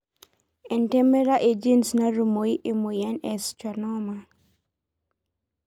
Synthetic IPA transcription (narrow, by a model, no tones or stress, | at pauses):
ɛntɛmeɾaʔed͡ʒɛnsnaɾumoiʔemojɛnɛstanɔma